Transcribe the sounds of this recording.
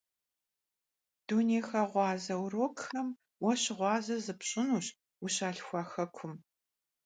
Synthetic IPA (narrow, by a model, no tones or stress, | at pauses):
d̥uneːxɐʁʷɑːzɐwroːkxɐm | wɐɕɪʁʷɑːzɐzɨpɕʼɪnuːɕ | uɕaːɬxʷɑːxɐkʷʰʊm